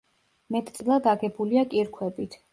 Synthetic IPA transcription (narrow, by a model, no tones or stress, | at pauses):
mɛt̪ʰʼt̪sʼilˠad̪aɡɛbuliakʼiɾkʰwɛbit̪ʰ